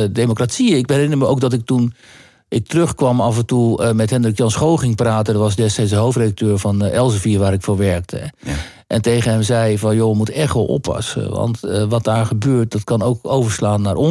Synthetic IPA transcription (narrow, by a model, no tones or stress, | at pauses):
dejmokratsiəɪk̚ɛɾɪnəɹməowk̚dɑt̬ɪk̚tun | ʔɪk̚tərøχkʋɑmɑfəntumɛtɦɛndrɪkjɑnsχowχɪŋpraːtəndəɹʋɑsdɛstɛjts̬dəɦowftredak̚tøːɹvɑnɛlˠsəfiɹʋaːɾɪkfʊːɹʋɛɹk̚tʰə̰ | ʔɛntejχənɦɛmzɛjvɑnjoəmutəɛχtʋɔlˠɔ̰pʰːɑ̰sə̰ʋɑ̰ntʋɑt̚daːɹχəbøːɹt̚dɑtkɑnowkowvəɹslaːnːaːɹʔɔ